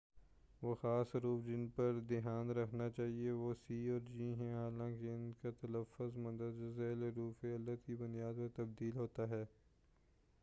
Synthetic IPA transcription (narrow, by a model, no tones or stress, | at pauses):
ʋoːxaːsɾuːfd͡ʒɪnpɐɾd̪ɪɦaːnɾɐkʰnat͡ʃaːɦieʋoːsiːɔːɾd͡ʒiːɦɛ̃ɦaːlãːkeʊnkat̪ɐləfʊzmɐ̃nd̪əd̪d͡ʒɐzɛːlɾuːfeɐlːət̪kibʊnijaːd̪pɐɾt̪ɐb̚d̪iːlɦoːt̪aɦɛː